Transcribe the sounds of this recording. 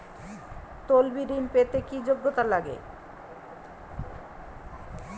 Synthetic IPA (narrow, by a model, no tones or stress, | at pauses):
t̪olbiɾinpet̪ekid͡ʑoɡːot̪alaɡḛ